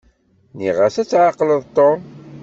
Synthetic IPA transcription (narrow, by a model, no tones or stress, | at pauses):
niʁəsæt͡sːʕaqləðˤt̪ːo